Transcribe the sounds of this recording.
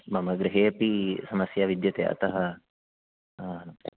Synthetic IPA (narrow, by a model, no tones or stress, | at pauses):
mɐmɐɡɾiɦeːɐpisɐmɐsjaʋid̪jɐt̪eɐ̰t̪ɐɦɐ